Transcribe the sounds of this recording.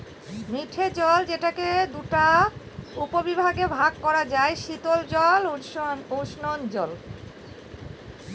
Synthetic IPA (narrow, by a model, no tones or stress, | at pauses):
miʈʰed͡ʑɔld͡ʑeʈaked̪uʈa | upobibʱaɡebʱaɡkɔɾad͡ʑaeʃit̪old͡ʑɔluʃnond͡ʑɔl